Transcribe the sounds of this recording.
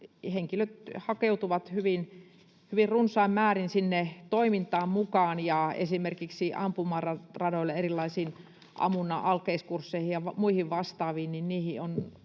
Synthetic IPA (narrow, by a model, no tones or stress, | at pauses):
heŋkiløt̪hɑkeut̪uʋɑt̪hyʋin | hyʋirrunsˑɑimmæːrinsinːet̪oimint̪ɑːmmukɑːnjɑḛsimerkiksiʔɑmpumɑrɑrɑdoilːeerilːɑisiːn | ʔɑ̰munːˑɑ̰ʔɑlkeiskursːeihijɑʋɑmuihiʋʋɑst̪ɑːʋiːnninniːhion